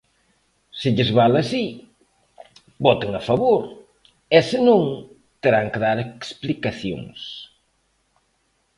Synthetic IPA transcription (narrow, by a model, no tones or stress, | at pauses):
sɪʎɪzβalɐsi | bɔt̪eŋɐfɐβoɾ | ɛsɪnõŋ | t̪eɾaŋkeðaɾeksplikaθjo̰ŋs